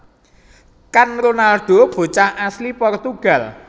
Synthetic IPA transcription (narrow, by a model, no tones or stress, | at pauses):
kanronalɖ̥o̤b̥o̤t͡ʃahʔaslipɔrt̪uɡ̥a̤l